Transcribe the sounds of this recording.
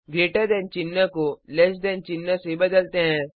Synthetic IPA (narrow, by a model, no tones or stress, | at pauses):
ɡɾeːʈad̪ɛːnt͡ʃɪnːakolɛs̬d̪ɛːnt͡ʃɪnːasebɐd̪əlt̪eɦɛ̃ː